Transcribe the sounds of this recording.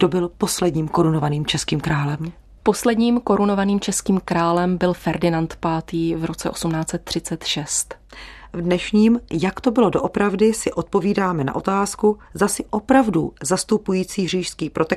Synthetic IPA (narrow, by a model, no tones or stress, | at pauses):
d̥obɪlpo̞slɛdɲiːmko̞ɾunovaniːmt͡ʃɛskiːmkɾaːlɛm | po̞slɛdɲiːmko̞ɾuno̞vaniːmt͡ʃɛskiːmkɾaːlɛmbɪlfɛɾdɪnant̪paːt̪iːvɾo̞t͡sɛʔo̞sumnaːt͡sɛt̪ːr̝̥ɪt͡sɛt̪ʃɛst̪vdnɛʃɲiːmjakt̪o̞bɪlo̞doʔopɾavdɪsɪʔo̞t̪̚po̞viːdaːmɛna̰ʔo̞t̪aːskuzasɪʔo̞pɾavduzast̪upujiːt͡siːɦr̝iːʃskiːpɾʔot̪ɛ